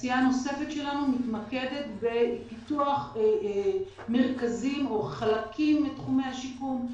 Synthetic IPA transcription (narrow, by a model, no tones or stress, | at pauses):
sijano̞se̞fetʃe̞lanumitmake̞de̞tbe̞pituaχ | me̞ʁkazimo̞χalakʰimbetχume̞jhaʃikum